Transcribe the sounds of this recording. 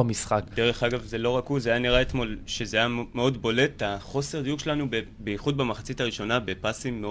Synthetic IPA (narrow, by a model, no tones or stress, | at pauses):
amisχakde̞ʁe̞χaɡavze̞lo̞ʁakuzajaniʁaet̪mo̞lʃe̞zeajameo̞dbo̞le̞taχo̞se̞ʁd̪ijuɡʃelanubebejiχud̚bamaχat͡sitaʁiʃo̞nabe̞pasimːe